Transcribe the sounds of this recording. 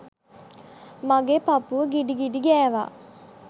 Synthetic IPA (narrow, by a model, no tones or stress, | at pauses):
maɡeːpapuʋəɡiɖiɡiɖiɡɛːʋa̰ː